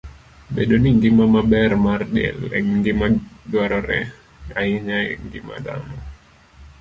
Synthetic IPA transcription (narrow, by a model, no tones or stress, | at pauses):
bɛdɔniŋɡimamabɛrmardɛ̰lɛ̰ŋɡimaduaɾoɾɛ | aiɲaiŋɡima̰t̪a̰m